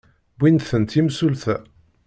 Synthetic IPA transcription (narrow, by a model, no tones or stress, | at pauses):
binθənt̪imsulθæ